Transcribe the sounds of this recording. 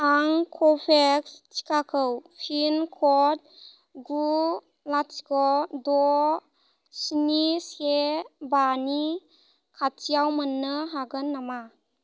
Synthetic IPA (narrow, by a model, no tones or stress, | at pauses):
aŋkʰɔpʰekst͡ʃi̥kʰakʰɯwpʰinkʰɔt̚ | ɡu | latikɔdɔ | sinisebani | kʰatijawmɯnːɯɦaɡɯnːama